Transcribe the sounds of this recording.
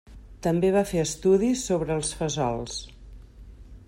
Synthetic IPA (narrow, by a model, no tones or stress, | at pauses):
t̪əmbeβ̞afeəst̪uðisːoβɾəːlˠsfəzɔ̰lˠs